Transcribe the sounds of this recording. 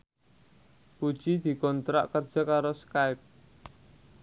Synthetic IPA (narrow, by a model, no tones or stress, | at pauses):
pu̥ʒ̥id̪̥i̤kɔnt̪ɾa̰ʔkərd̥ʒ̥a̤kaɾoskaɪp̚